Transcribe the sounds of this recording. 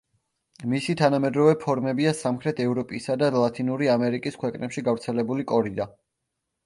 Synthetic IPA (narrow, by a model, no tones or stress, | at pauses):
misit̪ʰanamɛd̪ɾɔvɛpʰɔɾmɛbiasamχʰɾɛt̪ʰɛvɾɔpʼisad̪alˠat̪ʰʼinuɾiamɛɾikʼiskʰwɛkʼnɛpʃiɡavɾt̪sʰɛlɛbulikʼɔɾid̪a